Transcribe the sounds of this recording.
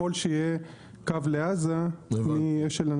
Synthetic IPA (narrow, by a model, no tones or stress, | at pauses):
olʃeje | kavleazamieʃelan